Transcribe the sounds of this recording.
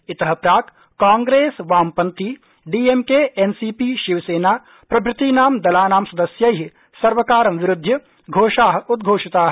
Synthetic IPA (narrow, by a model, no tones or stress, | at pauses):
ɪt̪ɐɦɐpɾaːk | kãːŋɡɾeːsʋaːmpɐnt̪i | ɖiːemkeːʔensiːpiːʃiʋɐseːnaː | pɾɐbɾɪt̪iːnaːmd̪ɐlaːnaːmsɐd̪ɐsjɐjɦi | sɐɾʋɐkaːɾɐmʋɪɾʊd̪ʱjɐ | ɡʱoːʃaːɦɐʊd̪ɡʱoːʂit̪aːɦ